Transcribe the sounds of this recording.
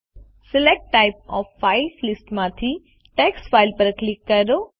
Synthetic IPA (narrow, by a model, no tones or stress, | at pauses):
sɪlek̚ʈːaɪp̚ɔːfːaɪflɪsʈmãt̪ʰi | ʈeːksfaːɪlpəɾklɪkːɐɾo